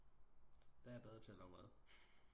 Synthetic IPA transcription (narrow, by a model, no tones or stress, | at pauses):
d̥ɑ̈æɐb̥eð̞ˠʁɐt͡sʰelɒʁæðˠ